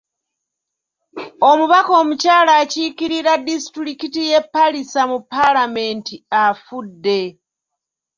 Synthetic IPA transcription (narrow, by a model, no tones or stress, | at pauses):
o̞muβako̞ːmucaːlaːcikiɾiɾadisi̥tuɾikitije̞pːalisamupːalame̞ntiafudːe̞